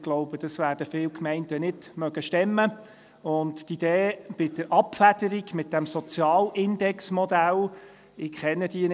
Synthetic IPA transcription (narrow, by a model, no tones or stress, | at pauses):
ɡ̥loʊbəd̥ɑsʋæːɾd̥əfɪːwkmɛɪntənɪd̥mœɡ̥əʃtɛmːə | ʊnttid̥̪eːb̥ɪd̥̪əɾʔɑpfæd̥əɾiɡmɪt̚d̥æmsɔt͡sjɑːlʔɪnd̪ɛksmɔdæl | ɪkχɛnːəd̥iən